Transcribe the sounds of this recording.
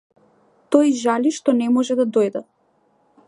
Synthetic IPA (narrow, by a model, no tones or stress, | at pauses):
t̪ɔjʒaliʃt̪ɔnɛmɔʒɛd̪ad̪ojd̪a